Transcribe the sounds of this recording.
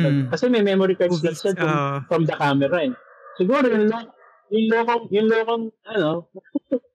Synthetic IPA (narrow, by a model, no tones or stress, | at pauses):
kɐsɛmɛjmɛmoɾikɐd̪ɐnsɐd̪fɐmfɾɐmd̪ɐkaːmɛɾɐɛ | sɪɡuːɾojʊŋloː | jʊnloːkoŋjʊnloːkoŋɐno